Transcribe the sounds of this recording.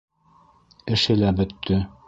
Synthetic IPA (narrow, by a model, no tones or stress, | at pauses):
ɘ̆ʃɘlæbɵ̆t̪ʰːɵ